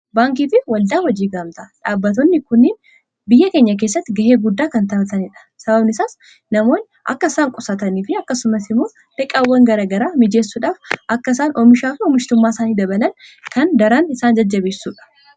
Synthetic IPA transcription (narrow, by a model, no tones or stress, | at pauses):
baːŋk̬iːfɪwɐld̪aːwɔd͡ʒiːɡaːmt̪ɐᶑaːbːɐt̪ɔnːɪkʊnːɪːn | bɪjːɐkeːɲːɐk̬e̞ːsːɐt̪ːɪɡɐheːɡʊd̪ːaːkɐnt̪ɐbɐt̪ɐnɪᶑɐ̥sɐbɐbnɪsaːs | nɐmo̞ːn | ʔɐ̰kːɐɪsaːŋkʼʊsɐt̪ɐniːfɪɐkːɐsʊmɐsɪmːoː | ᶑ̪ɛkʼːaːwːɐŋɡɐɾaːɡɐɾaːmɪd͡ʒe̞ːsːuːᶑaːfʔɐkːɐɪsaːnɔmɪʃaːfɪɔmɪʃt̪ʊmːaːsaːniːd̪ɐbɐlɐnkɐnd̪ɐɾaːnɪsaːnd͡ʒɐd͡ʒːɐbeːsːuːᶑɐ̥